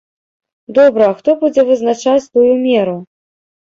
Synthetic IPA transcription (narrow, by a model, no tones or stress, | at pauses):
d̪ɔbɾɐːxt̪ɔbud͡zʲɛvɨznat͡ʂat͡sʲt̪ujumʲɛɾu